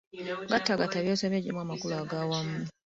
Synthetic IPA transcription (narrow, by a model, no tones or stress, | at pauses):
ɡatːaɡataβjosemeɟimwamakulaɡawamuni